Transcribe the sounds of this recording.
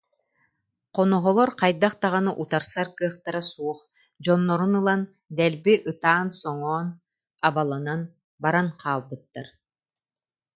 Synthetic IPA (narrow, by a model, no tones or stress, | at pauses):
qɔnɔɦɔlˠɔɾqajd̪aχt̪aʁanɯʔut̪aɾsaɾkɯɐχt̪aɾasuɔχ | d͡ʑɔnːɔɾunɯlˠan | d̪ɛlbiʔɯt̪aːnsɔŋɔːn | abalˠanan | baɾanqʰaːlˠbɯt̪ːaɾ